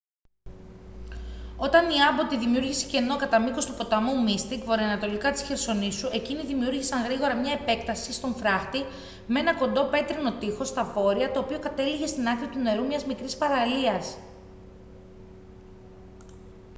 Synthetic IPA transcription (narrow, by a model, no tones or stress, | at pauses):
o̞t̪ɐniɐbo̞t̪iðimiuɾʝise̥ce̞no̞kɐt̪ɐmiko̞st̪upo̞t̪ɐmumist̪ikvo̞ɾiɐnɐt̪o̞likɐt̪i̥sçeɾso̞nisuʔe̞ciniðimiuɾʝisɐŋɣɾiɣo̞ɾɐmɲɐepe̞kt̪ɐsist̪o̞nfɾɐxt̪i | mee̞nɐko̞nd̪o̞pe̞t̪ɾino̞t̪ixo̞st̪ɐvo̞ɾiɐt̪o̞ːpio̞kɐt̪e̞liʝe̞st̪inɐkɾiɐt̪une̞ɾumɲɐzmikɾispɐɾɐliɐs